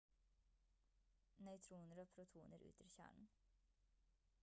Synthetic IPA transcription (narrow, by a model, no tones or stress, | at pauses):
nœʏt̪ʰɾuːnəɾoːpʰɾʊt̪ʰuːnəɾʉ̰ːt̪ɪɾçæ̰ːɳn̩